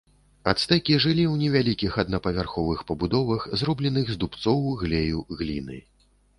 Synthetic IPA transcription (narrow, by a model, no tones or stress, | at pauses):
a̰t̪st̪ɛkʲiʐɨlʲiwnʲɛvʲalʲikʲixɐd̪nɐpɐvʲarxɔvɨxpɐbud̪ɔvɐxzrɔblʲɛnɨɣzd̪upt̪sɔwɣlʲɛjuɣlʲinɨ̰